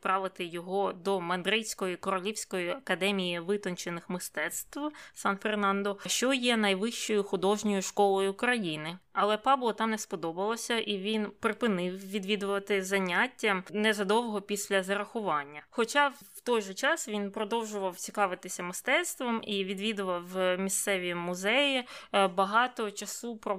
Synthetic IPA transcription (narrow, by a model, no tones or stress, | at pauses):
pɾɑʋɪt̪ɪjɔɦɔd̪ɔmɐnd̪ɾɪsʲkɔjikɔɾɔlʲiwsʲkɔjiɐkɐd̪ɛmʲijiʋɪt̪ɔnt͡ʃenɪxmɪst̪ɛt̪st̪ʋsɑnfernɑnd̪ɔʃt͡ʃɔjɛnɐjʋɪʃt͡ʃɔjʊxʊd̪ɔʒnʲɔjʊʃkɔlˠɔjʊkɾɐjinɪɐlˠɛpɑblˠɔt̪ɑnɛspɔd̪ɔbɐlˠɔsʲɐʔiʋʲinpɾɪpɪnɪwʋʲid̪ʋʲid̪ʊʋɐt̪ɪzɐnʲatʲːɐmnɛzɐd̪ɔwɦɔpʲisʲlʲɐzɐɾɐxʊʋɑnʲːɐxɔt͡ʃɑ | wt̪ɔjʒɛt͡ʃɑsʋʲinpɾɔd̪ɔwʒʊʋɐwt͡sʲikɑʋɪt̪ɪsʲɐmɪst̪ɛt̪st̪ʋɔmiʋʲid̪ʋʲid̪ʊʋɐwmʲist̪sɛʋʲimʊzɛjibɐɦɑt̪ɔt͡ʃɐsupɾɔ